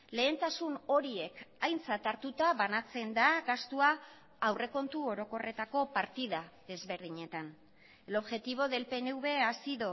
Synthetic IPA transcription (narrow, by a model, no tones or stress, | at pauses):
le̞ːnt̪asuno̞ɾie̞kajnt͡sat̪aɾt̪ut̪aβanat͡se̞nd̪aɡast̪uaː | wre̞ko̞nt̪uo̞ɾo̞ko̞re̞t̪ako̞paɾt̪iðaðe̞zβe̞ɾðiɲe̞t̪an | elo̞βʝe̞t̪iβ̞o̞ðe̞lpe̞neuβe̞asiðo